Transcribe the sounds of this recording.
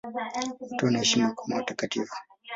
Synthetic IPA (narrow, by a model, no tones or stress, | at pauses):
utonaʃimakumatakatiːfu̥